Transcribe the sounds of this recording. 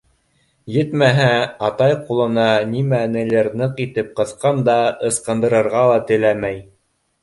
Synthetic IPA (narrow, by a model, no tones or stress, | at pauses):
jɘt̪mæɦæɑt̪ɑjqulˠɤ̆nɑnimæ̆nɘ̆lɘɾnɤqit̪ɘp̚qɤ̆θqɑnd̪ɑɤ̆sqɤ̆nd̪ɤ̆ɾɤ̆ɾʁɑlˠɑt̪ɘ̆læmæj